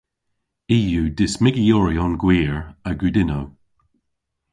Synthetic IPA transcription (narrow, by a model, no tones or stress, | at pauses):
iːjudɪsmɪɡijɔɹiɔnɡwiːɹəɡʉdɪnow